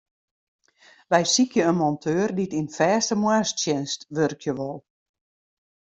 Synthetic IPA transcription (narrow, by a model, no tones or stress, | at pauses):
ʋɛjsikjəənmɔntʰøːərditinfɛːstəmwastjɪnstʋørkʰjəʋɔlˠ